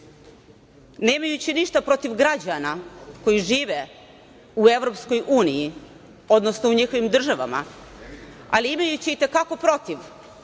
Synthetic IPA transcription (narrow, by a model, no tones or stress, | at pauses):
ne̞ːmajut͡ɕiniʃt̪apɾo̞t̪iʋɡɾad͡ʑanako̞jiʒiːʋe | ue̞ʋɾo̞psko̞juːniji | o̞d̪nosnouɲixo̞ʋimd̪r̩ʒaʋa̰ma̰ | aliimajut͡ɕiːt̪e̞kako̞pɾo̞t̪iʋ